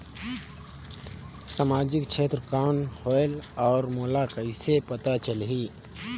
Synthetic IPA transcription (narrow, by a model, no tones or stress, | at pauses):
samaːd͡ʒɪkt͡ʃʰeːt̪ɾəkaːnhɔːlɔːɾmoːlakəɪsepət̪at͡ʃəlɦiː